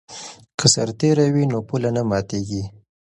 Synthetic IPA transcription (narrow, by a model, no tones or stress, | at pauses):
kʰəsaɾt̪eɾawinopulanamɑt̪eɡi